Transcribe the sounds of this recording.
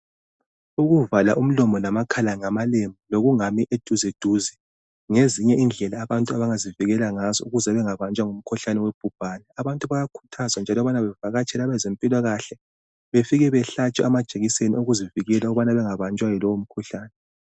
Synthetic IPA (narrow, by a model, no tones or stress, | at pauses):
uɣuvala̰ʔum̩lɔmɔnamakʰalaŋamalemiloɣuŋamiʔed̥ʱuzed̥ʱuzi | ŋeziɲɛind͡ɮʱɛlaːβantʼuaβaŋaziviɣɛlaŋazɔ̰uɣuzɛβɛŋaβant͡ʃʼwaŋum̩kʰuɬanɛweb̥ʱub̥ʱaːnɛaβantʼuβajakʰu̥tʰazwand͡ʒʱalɔβanaβɛvaɣat͡ʃʼʰɛlaβɛzempʼilwaɣaɬɛ | βefiɣɛβɛɬat͡ʃʼɛamad̥ʒ̥ʱeɣisenioɣuziviɣɛlauɣuβanaβɛŋaβant͡ʃʼwajilɔwom̩kʰuɬaːnɛ